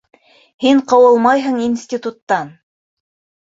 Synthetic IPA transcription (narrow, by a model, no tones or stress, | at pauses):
hiɴqɑwɤlˠmɑjɦɤ̆ɴinsʲtʲit̪ut̪ːɑn